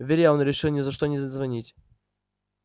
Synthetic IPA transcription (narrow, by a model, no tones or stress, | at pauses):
vʲɪɾʲjaonɾʲɪʂɨlˠnʲɪzɐʂt̪onʲɪzzvɐnʲitʲ